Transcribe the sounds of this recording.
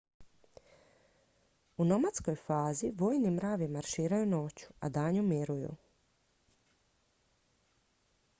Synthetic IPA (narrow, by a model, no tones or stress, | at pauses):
unomat̪sko̞jfaːziʋo̞jnimɾaːʋimaɾʃiːɾajuno̞ːt͡ɕu̥a̰d̪aːɲumiɾujṵ